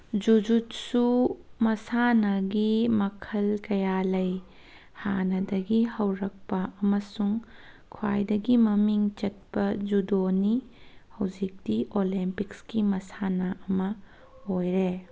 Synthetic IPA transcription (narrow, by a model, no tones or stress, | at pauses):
d͡ʒud͡ʒutsumɐsanɐɡimɐkʰɐlkɐjalɐj | hanɐdɐɡihɐwɾɐk̚pɐɐmɐsuŋ | kʰwa̰jdɐɡimɐmiŋt͡ʃɐt̚pɐd͡ʒudonihɐwd͡ʒik̚diʔolimpikskimɐsanɐʔɐmɐ | ojɾe